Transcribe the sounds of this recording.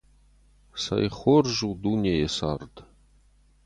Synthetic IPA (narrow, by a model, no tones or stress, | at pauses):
sa̰jχorʒud̪unʲejesa̰rd̪